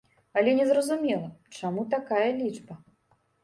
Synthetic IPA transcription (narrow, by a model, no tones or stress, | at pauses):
ɐlʲɛnʲɛzɾɐzumʲɛlˠɐt͡ʂamut̪akajɐlʲid͡ʐbɐ